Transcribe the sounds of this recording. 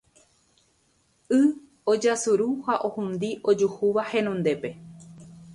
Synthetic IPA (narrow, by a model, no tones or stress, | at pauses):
ɨ | od͡ʒasuɾuhaʔohũnd̪iʔo̞d͡ʒuhuʋahe̞nõnd̪e̞pe̞